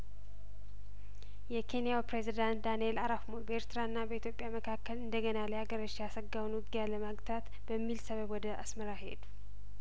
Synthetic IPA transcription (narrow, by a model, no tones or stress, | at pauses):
jɛkʰe̞nijawpɾezid̪ant̪̚d̪anjelaɾafmobəeɾt̪ɾaɨnːabəit̪jo̞pʼjaməkʰakːəlɨnd̪əɡənalajaɡəɾəʃjasəɡawnwʊɡijaləmaɡt̪ʰat̪ | b̥əmːilsəβəbwɔd̪əʔa̰sməɾaɦe̞̰d̪u